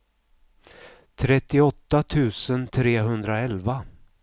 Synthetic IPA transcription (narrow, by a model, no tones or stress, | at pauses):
t̪ʰɾɛt̪ːɪɔt̪ːat̪ʰʉ̟ːsənt̪ʰɾeːɦɵnd̪ɾaɛlva